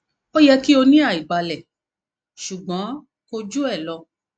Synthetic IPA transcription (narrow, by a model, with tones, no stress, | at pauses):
ɔ˦jɛ˧ki˦o˧nĩ˦a˦˨i˨ɡ͡ba˧lɛ˨ | ʃu˨ɡ͡bɔ̃˨˦ | ko˧d͡ʒu˦ɛ˦˨lɔ˧